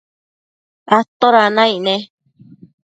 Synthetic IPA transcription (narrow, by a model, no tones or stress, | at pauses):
at̪oɾanãĩʔnẽ